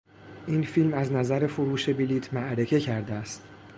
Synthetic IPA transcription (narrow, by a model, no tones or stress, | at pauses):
ʔiːnfilmæznæzæɾe̞foɾuːʃe̞biliːt̪ʰmæʔɾe̞fe̞cʰæɾd̪eæst̪